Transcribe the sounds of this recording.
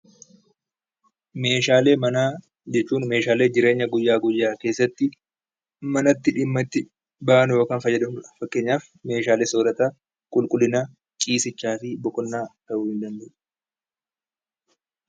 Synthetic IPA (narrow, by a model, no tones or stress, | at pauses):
me̞ːʃaːle̞ːmɐnaː | d͡ʒɛt͡ʃːuːnme̞ːʃaːle̞ːd͡ʒɪɾe̞ːɲːɐɡʊjːaːɡʊjːaːke̞ːsːɐt̪ːɪ | mɐnɐt̪ːɪᶑɪmːɐt̪ːɪ | baʔɐnʊjo̞ːkaːnfɐjːɐd̪ɐʊfɐkːe̞ːɲːaːf | me̞ːʃaːleːsoːɾɐt̪a | kʼʊlkʼʊlːɪnaː | kʼiːsɪt͡ʃːaːfɪbɔkʼɔnːaːt̪ɐʔʊhɪnd̪ɐnd̪ɛʔ